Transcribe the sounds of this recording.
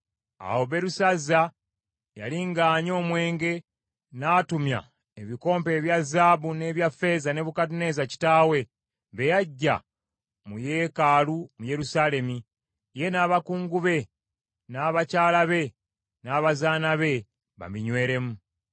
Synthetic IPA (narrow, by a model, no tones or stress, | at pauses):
a̰wo̞βe̞ɾusazːa | ja̰liŋɡaːɲo̞ːmwe̞ːŋɡe̞ | naːtumja̰ | eβiko̞ːmpe̞ːβjazːaːβune̞βjafːe̞zane̞βukatune̞ːzaci̥taːwe̞ | βe̞jaɟːa̰ | muje̞ːkaːlumuje̞ɾusaːle̞mi | je̞naːβakuːŋɡuβe̞ | naːβacaːlaβe̞ | naːβazaːnaβe̞ | βa̰miɲwe̞ːɾe̞mu